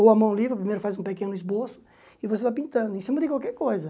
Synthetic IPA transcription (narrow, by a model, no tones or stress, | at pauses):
owɐmɐ̃w̃livɾɐpɾimejɾʊfazũpekẽnʊizbosʊ̥ | ivosevajp̬ĩnt̪ɐ̃nd̪ʊẽsĩmɐd̪ɪkwalkɛɾkojzɐ